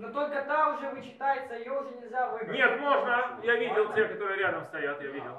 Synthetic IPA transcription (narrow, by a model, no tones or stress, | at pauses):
not̪olʲkɐt̪aʊʐɛvɨt͡ɕɪ̥t̪ajɪt̪səjaʊʐɛnʲɪlʲzʲavɨnʲet̪mo̞ʐnəjavʲidʲɪlˠtʲekɐt̪oɾɨjəɾʲad̪əmst̪ɐjat̪javʲidʲɪlˠ